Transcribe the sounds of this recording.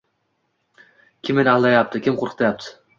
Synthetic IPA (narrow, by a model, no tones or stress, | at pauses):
kʲʰɪmenɪalˠd̪ajap̚t̪ʰɪkʲʰɪmqʰoɾqʰɨ̥t̪ʰajap̚t̪ʰɪ̥